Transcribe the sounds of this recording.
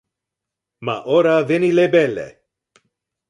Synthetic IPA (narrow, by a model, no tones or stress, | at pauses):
ma̰ʔɔɾavɪnilebɛlɛ̰